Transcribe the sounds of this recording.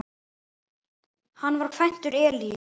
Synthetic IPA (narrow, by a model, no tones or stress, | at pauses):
hanːvaɾ̥kʰvajn̥t̪ʏɾɛːli